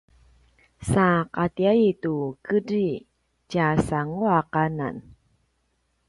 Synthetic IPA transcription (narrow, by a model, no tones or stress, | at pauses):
saqat̪iait̪ukədi | d͡ʒasaŋuaqana̰n